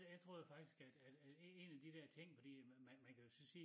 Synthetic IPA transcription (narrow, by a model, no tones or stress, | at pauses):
jaɪt͡sʰʁo̝̰ːjofɑ̈ɡ̥d̥isɡ̥æd̥æd̥æ̥ee̝næd̥id̥ɛɐ̰t͡sʰe̝ŋ̰fɒd̥ḭmæmænkʰæjo̝sɒ̽siː